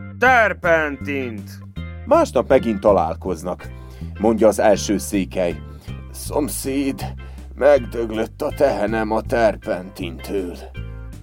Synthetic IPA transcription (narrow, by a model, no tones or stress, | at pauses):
t̪ɛrpɛnt̪int̪ | maːʃnɒpmɛɡint̪ːɒla̰ːlko̞znɒk | mo̞ɲɟɒːzɛlʃøːseːkɛj | somsiːd̪ | mɛɡd̪øɡløt̪ːɒt̪ɛɦɛnɛmɒt̪ɛrpɛnt̪int̪ʰøːl